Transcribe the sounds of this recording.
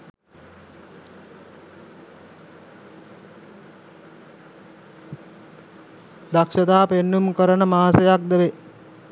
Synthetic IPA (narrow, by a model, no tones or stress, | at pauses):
d̪akʃət̪aːpenːumkəɾənəmaːsejak̚d̪əʋe